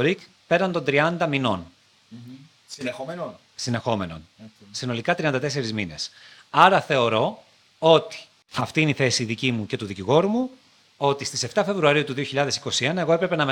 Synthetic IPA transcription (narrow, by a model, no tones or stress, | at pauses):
oɾik | peɾɐnt̪o̞nd̪ɾiɐnd̪ɐmino̞̰n | sine̞xo̞me̞no̞nsino̞likɐt̪ɾiɐnd̪ɐt̪e̞se̞ɾizmine̞sɐɾɐθe̞o̞ɾo̞ | o̞t̪i̥ | ɐft̪iineiθe̞siðicimuce̞t̪uðiciɣo̞ɾumu | o̞t̪ist̪ise̞ft̪ɐfe̞vɾuɐɾiut̪uðio̞çiʎɐðe̞si̥ko̞sie̞nɐe̞ɣoepɾe̞pe̞nɐm